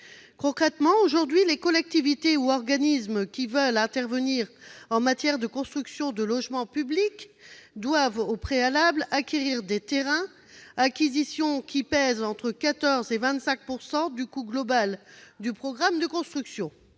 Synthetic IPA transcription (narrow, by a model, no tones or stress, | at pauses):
kɔ̃kχɛt̪mɑ̃oʒuʁd̪ɥilekɔlɛk̚t̪ivit̪euɔʁɡanismkʲivəlɛ̃t̪ɛʁvəniʁɑ̃mat̪jɛʁd̪əkɔ̃st̪χyksjɔ̃d̪əlɔʒmɑ̃pyblikd̪wavopχealablakʲeʁiʁd̪et̪eʁɛ̃ | akʲizisjɔ̃kʲipɛzɑ̃t̪χəkat̪ɔʁzevɛ̃t̪sɛ̃k̚puʁsɑ̃d̪ykuɡlɔbald̪ypχɔɡʁamd̪əkɔ̃st̪χyksjɔ̃